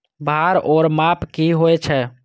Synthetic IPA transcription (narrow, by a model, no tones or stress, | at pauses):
bʱaɾɔːɾmapkiɦoɛt͡ʃʰɛ